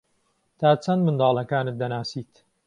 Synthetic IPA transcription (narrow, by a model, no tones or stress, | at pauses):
t̪ʰaːt͡sʰɐnd̪mɨnd̪ɑːlˠɐkaːnɨt̪̚d̪ɐnaːsiːt̪